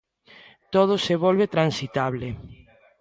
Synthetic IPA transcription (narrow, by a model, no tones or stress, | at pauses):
t̪oð̞oseβ̞olβet̪ɾansit̪aβle